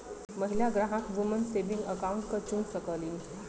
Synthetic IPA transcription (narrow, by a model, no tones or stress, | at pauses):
məɦilaɡɾaɦãkʋumənseʋĩŋɡəkauɳʈkət͡ɕũnsəkəlin